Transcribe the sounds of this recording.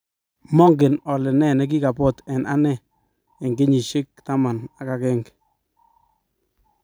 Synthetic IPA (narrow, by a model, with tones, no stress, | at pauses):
mɔ˦ŋɡɪ˨nɔ˨lɪ˨nɛ˦˨nɛ˦k̬i˦ka˨pɔ˦˨tɛ˨nʔa˦nɛː˦˨ | ŋɡe˦ɲi˨ʃɪ˦k̚ta˦ma˨na˨ka˨kɛ˦ŋk